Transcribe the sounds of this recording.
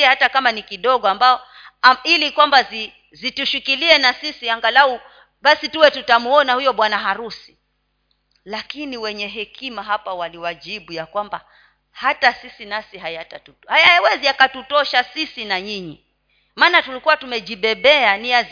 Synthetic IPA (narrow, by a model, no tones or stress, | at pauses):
ɛhatakamanikiɗɔɠɔambaɔ | ilikwambazi | zituʃukiliɛnasisiaŋɡalau | ɓasituwɛtutamuɔnahujɔɓwanaɦaɾusi̥ | lakiniwɛɲɛɦɛkʰimaɦapawaliwaʄiɓujakwamba̰ | hatasisinasiɦajatatuhajajawɛziakatutɔʃasisinaɲiɲi | maːnatulikuwatumɛʄiɓɛɓɛaniaz